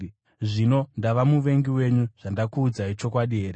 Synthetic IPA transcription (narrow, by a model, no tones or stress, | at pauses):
ʐino̞ndaʋamuʋe̞ŋɡiwe̞ɲuʐ̥andakuːd͡zait͡ʃo̞kwaɗiɦeːɾe